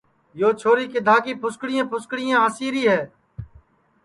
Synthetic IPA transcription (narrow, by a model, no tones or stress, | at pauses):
joːt͡ʃʰoːɾiːked̪ʱaːkiːpʰʊskɽɪjãːpʰʊskɽɪjãːɦəsiːɾiːɦɛː